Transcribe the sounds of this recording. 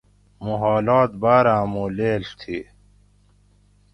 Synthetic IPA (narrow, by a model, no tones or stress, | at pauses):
muɦɔːlɔːt̪̚baːɾãːmuːleːlt̪ʰi